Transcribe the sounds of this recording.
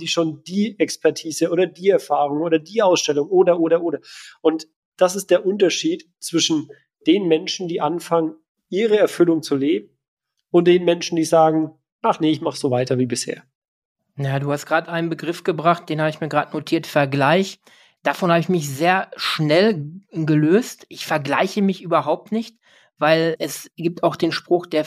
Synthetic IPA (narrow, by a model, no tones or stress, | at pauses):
d̥iːʃoːnd̥iːʔɛkspʰɛɐtʰiːzəʔoːdɐdiːɛɐfaːʁʊŋoːɾɐdiːʔaʊsʃtɛlʊŋʔoːdɐʔoːɾɐʔoːɾɐʔʊnt | d̥asɪst̚d̥eːɐʔʊntɐʃiːt | t͡sv̥ɪʃn̩ | d̥eːnmɛnʃn̩diːʔanfaŋən | ʔiːʁəɛɐfʏlʊŋt͡suleːbm̩ | ʊnt̚d̥eːnmɛnʃn̩diːzaːɡŋ̩ | ʔaχnəɪçmaχz̥oːvaɪtɐviːbɪshḛːɐ | njaːduːhastɡ̥ʁaːtʔaɪnənbəɡʁɪfɡ̥əbʁaχt̚d̥eːnhaːbəɪçmiːɐɡʁaːdənotʰiːɐtfɛɐɡlaɪç | d̥afɔnhaːbəɪçmɪçzeːɐʃnɛlɡəløːstʔɪçfɛɐɡlaɪçəmɪçʔyːbɐɦaʊp̚tnɪçt | v̥aɪlɛsɡ̥iːp̚tʰaʊxd̥eːnʃpʁ̥ʊxd̥eːɐ